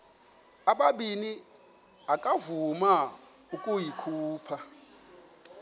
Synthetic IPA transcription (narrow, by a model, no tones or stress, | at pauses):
aɓaɓini | akʼavuma | ukʼujikʰuːpʰa